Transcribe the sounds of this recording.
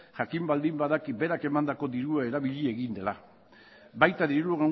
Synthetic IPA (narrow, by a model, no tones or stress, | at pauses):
ʝakimbald̪imbaðakibe̞ɾake̞mand̪ako̞ðiɾuae̞ɾaβiʎie̞ɣind̪e̞la | bajt̪aðiɾuɣa